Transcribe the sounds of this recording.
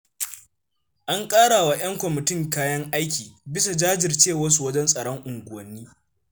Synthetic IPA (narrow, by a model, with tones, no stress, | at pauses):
ʔa˦ŋkʼaː˦ɽaː˨wa˦j̰ɐ˦ŋkʷɔ˨mɪ˨tɪ˦ŋkaː˦jɐ˦ŋʔa˦jkʲiː˨bɪ˦sa˨d͡ʒaː˦d͡ʒɪ˨rt͡ʃeː˦˨wɐ˦s̬u˨wɐ˦d͡ʒɛ˦nsʼɐ˨ɽɔ˦ŋʔʊ˨ŋɡʷʊ˨wɐ˨nːiː˦